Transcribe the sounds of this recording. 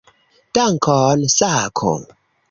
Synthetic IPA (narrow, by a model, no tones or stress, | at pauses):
taŋ̩kʰɔːnsakʰo̰m